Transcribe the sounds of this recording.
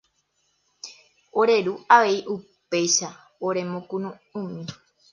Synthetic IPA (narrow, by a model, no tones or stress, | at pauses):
o̞ɾe̞ɾuaʋe̞iʔupe̞jʃa | oɾe̞mõkũnũ | ũmĩ